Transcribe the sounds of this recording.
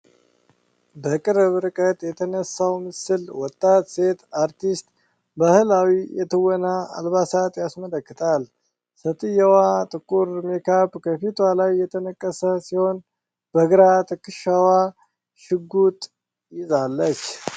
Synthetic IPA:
bəkʼɨɾɨβɨɾɨkʼət̪jɛt̪ʰənəsawmɨsɨlwɔt̪ʼːat̪se̞t̪ʰaɾt̪ʰist̪ | bahɨlawijɛt̪ʰɨwɔnaa̰lβasat̪ʼjasmələkːɨt̪ʰal | sət̪ʰʼɨjəwat̪ʼɨkʼːuɾmekʰabkʰəfit̪ʰwalajːɛt̪ʰənəkʼːəsəsiho̞n | b̥əɡɾat̪ʰɨkːɨʃawa | ʃɨɡut̪ʼ | jɪzalːət͡ʃː

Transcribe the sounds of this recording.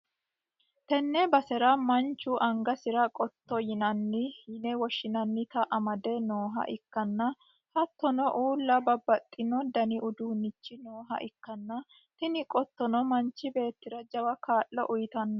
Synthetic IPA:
t̪ɛnːɛbɐsɛɾamɐnt͡ʃːuʔɐŋɡɐsɪɾɐkʼɔt̪ːɔjɪnɐnːɪhɪnɛwɔʃːɪnɐnːɪt̪ɐʔɐmɐd̪ɛnoːɦɐ̰ʔɪkːɐnːɐ | hɐt̪ːɔnɔʔuːlːɐbɐbːɐt̪ʼːɪnɔd̪ɐnɪʊd̪uːnːɪt͡ʃːɪnoːɦɐ̰ʔɪkːɐnːɐ | t̪ɪnɪkʼɔt̪ːɔnɔmɐnt͡ʃːɪbe̞ːt̪ːɪɾɐd͡ʒɐwɐkaːʔːɔ̰ʔʊjɪt̪ɐnːɐ

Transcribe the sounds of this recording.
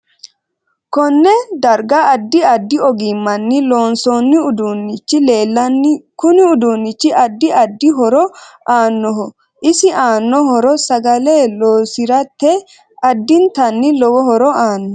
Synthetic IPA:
kɔnːɛd̪ɐɾɡɐːd̪ːɪɐd̪ːɪɔɡimːɐnːɪloːnsonːɪʊd̪unːɪt͡ʃːɪle̞ːlːɐnːɪkʊnɪʊd̪uːnːɪt͡ʃːɪʔɐd̪ːɪɐd̪ːɪɦɔɾɔʔaːnːɔɦɔ | ʔɪsɪʔaːnːɔɦɔɾɔsɐɡɐleːloːsɪɾɐt̪ːɛ | ɐd̪ːɪnt̪ɐnːɪlɔwɔhɔɾɔaːnːɔ

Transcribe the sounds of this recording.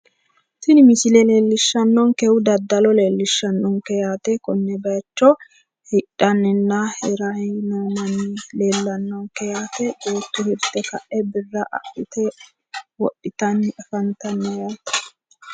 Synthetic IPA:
sɪnɪmɪsɪlɛleːlːɪʃːɐnːɔŋkɛwʊd̪ɐd̪ːɐlɔle̞ːlːɪʃːɐnːɔŋkɛjaːt̪ɛkɔnːɛbɐjt͡ʃːɔ | hɪᶑɐnːɛnːɐhɛɾɐnɐnɐnːɪleːlːɐnːɔŋkɛjaːt̪ɛdoːt̪ːʊhɪɾt̪ːɛkɐʔɛbɪrːɐʔɐ̰ʔɪt̪ɛ | wɔʔːɪt̪ɐnɐfɐnt̪ɐnːɛjaːt̪ɐ̥

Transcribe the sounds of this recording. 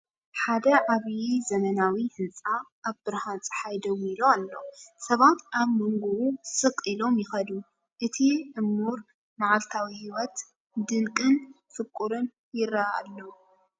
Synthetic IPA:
ħad̪ɐʔaβizɐmɐnawihɨnt͡sʼaʔːβbɨɾhant͡sʼɨħajd̪owiloalːosɐβat̪ʰʔaβmoŋɡuusɨkʼilo̞mjɪxɐd̪u | ʔɨt̪ʰiʕɨmːuɾ | maʕalt̪ʰawihiwɔt̪ | d̪ɨŋkʼɨn | fɨkʼːuɾɨn | jɪɾaaa̰lːɐw

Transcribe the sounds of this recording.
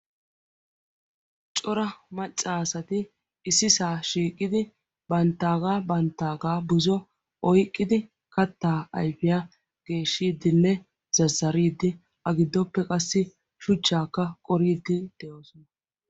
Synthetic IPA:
t͡ʃʼɔɾɐmɐt͡ʃʼːaːsɐt̪ɪ | ɪsɪsaːʃiːkʼːɪd̪ɪ | bɐnt̪ːaːɡaːbɐnt̪ːaːɡaːbʊzɔ | ʔɔjkʼːɪd̪ɪ | kɐt̪ːaːɐ̰jfɪjaː | ɡ̥e̞ːʃːiːd̪ːɪnːɛ | z̥ɐzːɐɾiːd̪ːɪ | ɐɡɪd̪ːɔpːɛkʼɐsːɪ | ʃʊt͡ʃːaːkːɐkʼɔɾiːd̪ːɪd̪̥ɛjo̞ːsɔnɐ

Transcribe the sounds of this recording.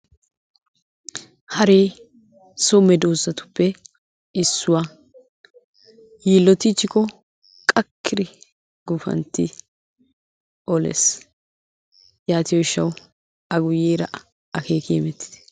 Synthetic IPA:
hɐɾeː | sɔmɛd̪oːzɐt̪ʊ̥pːɛ | ɪsːʊwaː | jiːlːɔt̪ɪt͡ʃːɪkɔ | kʼɐkʰːɪɾɪ | ɡʊfɐ̰nt̪ːɪ | ʔɔlḛs | jaːt̪ɪjɔɪʃːɐ̰w | ɐɡʊjeːɾɐ | ɐkeːkiɛmɛt̪ːɪ̥d̪̥ɛ̥

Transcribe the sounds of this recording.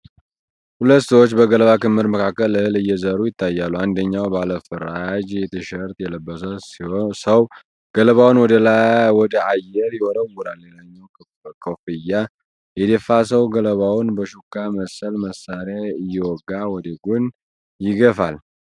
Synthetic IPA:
hulət̪ːsəwot͡ʃːbəɡələβakʰɨmhɨɾməkʰakːəlːəhɨlɨjːɛzəɾujɪt̪ʰːajːalːuand̪əɲːawbaləfɨɾad͡ʒɛt̪ʰɨʃəɾt̪jɛləbːəsəsəw | ɡ̥ələβawnwɔd̪əlawɔd̪əajːɛɾjɛhɔɾəwuɾaljɛləɲːəw | kʰofɨjːa | jɛd̪efːas̬əwɡələβawnbəʃukːaməsəlməsːaɾaɨjːɛwɔɡːawɔd̪əɡun | jɪɡəfal

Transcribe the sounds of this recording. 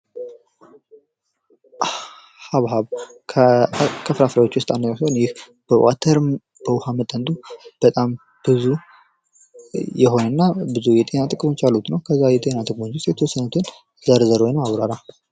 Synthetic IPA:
haβhaβʰ | kʰəfɾafɾawo̞t͡ʃːwɔst̪ʼanːəasionjɪh | b̥əwʔa̰t̪ʰəɾ | b̥əwhamət̪ʼːənd̪ʼub̥ət̪ʼam | b̥ɨzu | jɛɦo̞nənːabɨzujɛt̪ʼe̞nat̪ʼɨkʼmo̞t͡ʃːjalːut̪nəwkʰəzːajɛt̪ʼenat̪ʼɨkʼmot͡ʃːwust̪ʼjɛt̪ʰəwɔsːənut̪ʰɨn | z̥əɾzəɾwojnəwaβɾaɾal

